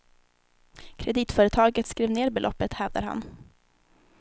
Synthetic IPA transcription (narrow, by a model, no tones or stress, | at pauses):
kʰɾɛd̪iːt̪fœːɾət̪ʰɑːɡət̪skɾeːvneːɾbɛlɔ̰pːət̪hɛːvd̪a̰ɾha̰n